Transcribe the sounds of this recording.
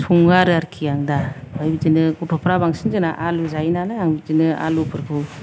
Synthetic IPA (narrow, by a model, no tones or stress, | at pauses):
suŋɡaɾɯaɾkʰijaŋdabajbizinɯkutʰɔpʰɾabaŋsinzɯnaʔaluzajnalaaŋbizinɯa̰lupʰɯɾkʰɯw